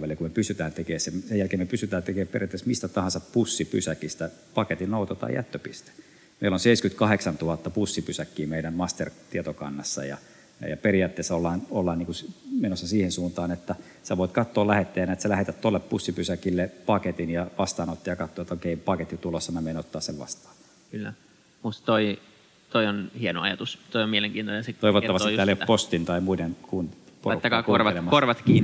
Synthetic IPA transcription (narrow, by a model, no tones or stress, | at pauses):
ʋælekumepysyt̪æːnt̪ekeːsemsejælkeːmepysyt̪æːt̪ekeːperiɑt̪ːesmist̪æt̪ɑhɑnsɑppusːipy̰sækist̪æpɑket̪innout̪ot̪ɑ̰j̰æ̰t̪ːøpḭst̪e̥ | mḛilonseiskyt̪kɑheksɑnt̪uhɑt̪ːɑpusːipysækːiːmeilæmmɑst̪ḛrt̪iet̪okɑ̰nːɑsːɑ̰jɑ̰ | j̰jɑperijɑːt̪ːeːsːolːɑːnolːɑːniːŋkusmenosːɑsiːhensuːnt̪ɑːnet̪ːæ | sæʋoit̪kɑt̪ːoːlæhet̪ːeːjɑnæet̪sælæhet̪æt̪t̪uoɑlːeppusːipysækilːepɑket̪injɑʋɑst̪ɑːnot̪ːiɑjɑkɑt̪ːoːet̪ːokeipɑket̪ːit̪ulosːɑmæmeinot̪ːɑːsseʋʋɑ̰st̪ɑ̥ː | kylːæ̰ | must̪ɑ̥t̪oi | t̪oionhieno̰ɑjɑt̪ust̪oiomieleŋkiːnt̪onenset̪oiʋot̪ːɑʋɑsiæːlejoppost̪int̪ɑimuidenkuːnpo̰ruk̪ːækːɑːkurʋɑelemːɑkorʋɑt̪kiːn